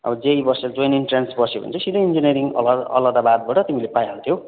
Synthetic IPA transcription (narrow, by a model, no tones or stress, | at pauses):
ʌ̰bʌd͡zejbʌsed͡zojniɳʈrensbʌsjobʌ̰nt͡sʰʌsid̪ʌind͡zineɾiŋ̰lʌ̰lad̪abad̪̚baʈʌt̪imilepajaɾut̪ʰjo